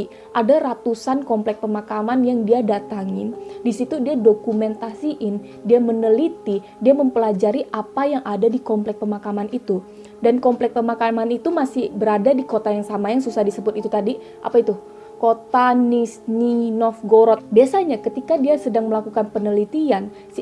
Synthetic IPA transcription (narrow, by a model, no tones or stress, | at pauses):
ʔadaɾat̪usankɔmplɛk̚pəmakamanjaŋdiadat̪aŋɪndisit̪udiadokumɛnt̪asiʔɪn | diamənəlit̪i | diaməmpəlad͡ʒaɾiʔapajaŋʔadadikɔmplɛk̚pəmakamanit̪u | dankɔmplɛk̚pəmakamanit̪umasɪhbəɾadadikot̪ajaŋsamajaŋsusahdisəbʊt̪it̪ut̪adi | ʔa̰pait̪u | kot̪anisninɔfɡoɾɔt̪̚biasaɲakət̪ikadiasədaŋməlakukanpənəlit̪ian